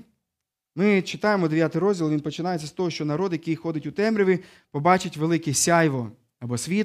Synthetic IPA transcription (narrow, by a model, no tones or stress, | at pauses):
mɪt͡ʃɪt̪ɑjemɔd̪eʋjat̪ɪjɾɔzʲdʲilˠʋinpɔt͡ʃɪnɑjet͡sʲːɐst̪ɔɦɔʃt͡ʃɔnɐɾɔd̪jɐkɪjxɔd̪ʲɪtʲʊt̪ɛmɾʲiʋʲɪ | pɔbɑt͡ʃɪtʲʋelˠɪkɛsʲɑjʋɔ | ɐbɔsʲʋʲit̪